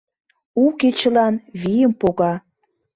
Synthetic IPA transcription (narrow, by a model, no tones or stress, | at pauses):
uket͡ɕə̆lɑnβijəmpoɣɑ